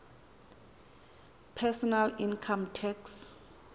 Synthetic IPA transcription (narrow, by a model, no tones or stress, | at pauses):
pʰɛsɔnalinkʰamtʰɛks